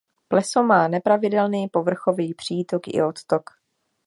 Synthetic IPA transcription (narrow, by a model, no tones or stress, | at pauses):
plɛsomaːnɛpɾavɪdɛlniːpo̞vr̩xo̞viːpr̝̥iːt̪o̞kɪ̰o̞t̪t̪ok